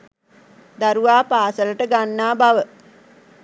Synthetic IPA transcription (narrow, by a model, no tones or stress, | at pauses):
d̪aɾuʋaːpaːsələʈəɡanːaːbaʋə